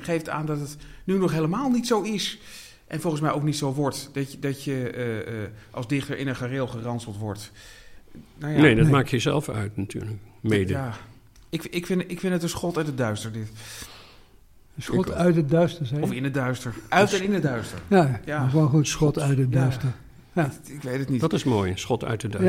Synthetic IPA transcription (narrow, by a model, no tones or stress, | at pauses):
χejfta̰ːndɑtətnynɔχɦejləmaːlˠnitsowɪs | ʔɛ̰nfɔlˠχənsmɛjʔowknitsowʋɔɹtdɑdɑtjə | ʔɑ̰lˠzdɪχtəɹʔɪnənχarɪlˠχərɑnsəlˠtʋɔɹt | nowjanedɑmaːkjəzɛ̰lˠfœ̰ɥtnatʰy̰ːɹlək | mejdəjaː | ɪkɪkfɪnɪkfɪndətdəsχɔtətədœɥstəɹdɪt | sɔœɥtədœɥstəsɛɔfɪnədœɥstəɹœtɛnɪnədœɥstə̰ɹjajaːonχutsχɔtœɥtədœstə | ɪkʋejtətnidɑtɪsmoːjsχɔtœ̰ɥtəd